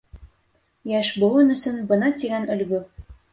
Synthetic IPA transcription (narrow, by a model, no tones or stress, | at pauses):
jæʃbŏlˠɤnɵ̆sɵnbɤ̆nɑt̪iɡænɵ̆lɡɵ